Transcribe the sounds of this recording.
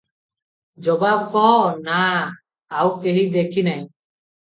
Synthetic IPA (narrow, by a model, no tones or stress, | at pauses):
d͡ʒɔbab̚kɔɦnaː | wkeɦid̪ekʰinaj̃